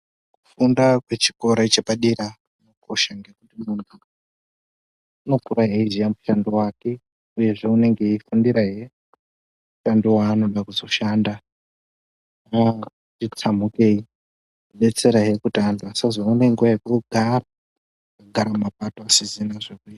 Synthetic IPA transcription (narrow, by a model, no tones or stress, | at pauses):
kufundakwe̞t͡ʃi̥ko̞ɾait͡ʃeɓaɗiɾa | uno̞ko̞ʃaŋɡe̞kutimuntʰu | uno̞kuraɦe̞izijamuʃandowaːke̞ | uje̞ʐe̞une̞ŋɡe̞ifundiɾaɦe̞ | uʃandowaːno̞ɗakuzo̞ʃaːnda | a | it͡samuke̞i | iɓe̞t͡se̞ɾaɦe̞kutandasazoune̞ŋɡuakoɡʱara | ɡʱaɾamapato̞asizinaʐekuia